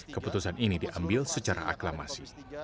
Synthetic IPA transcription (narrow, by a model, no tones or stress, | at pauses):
kəput̪usaninidiʔambɪlsət͡ʃaɾa̰ʔaklama̰si